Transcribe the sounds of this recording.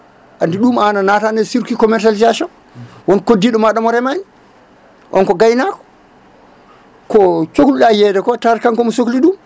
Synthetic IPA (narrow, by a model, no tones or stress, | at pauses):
ʔandiɗumananatanɛsiɾkikɔmɛɾtalizasɔn | wɔnkodːiɗɔmaɗamɔɾɛmaɲi | ʔɔnkɔɡajnakɔ̥ | kɔt͡ʃokluɗajɛdɛkɔtaɾkaŋkɔmusokliɗum